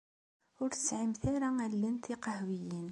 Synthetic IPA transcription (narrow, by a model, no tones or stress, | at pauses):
ʊɾt̪ə̥sʕəmθæɾaælːənt̪ʰiqɑhwijin